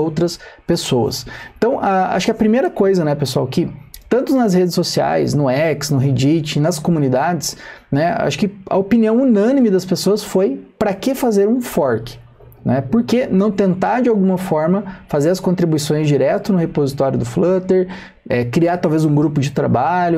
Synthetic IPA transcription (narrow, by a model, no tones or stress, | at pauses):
owt̪ɾɐspesowɐ̰sẽnt̪ɐ̃w̃ʔɐa̰ʃʊ̥kɪɐpɾimejɾɐkojzɐnɛpesua̰wkɪt̪ɐ̃nt̪ʊznɐshed͡ʒɪsːosia̰jsnʊɛksnʊɦid͡ʒit͡ʃɪnɐskomũnid̪ad͡ʒ̪ɪsnɛa̰ʃʊ̥kɪɐ̰opiniɐ̃w̃unɐ̃nimɪd̪ɐspesoɐsfojpɾɐkɪfazeɾũfɔɾkɪ̥ | nɛpoɾkenɐ̃w̃t̪ẽnt̪aɾd͡ʒɪawɡũmɐfɔɾmɐfazeɾɐskõnt̪ɾibuisõj̃zd͡ʒiɾɛt̪ʊnʊhepozit̪ɔɾjʊd̪ʊflɐt̪eɾ | ɛkɾiat̪awvezũɡɾupʊd͡ʒɪt̪ɾa̰baʎʊ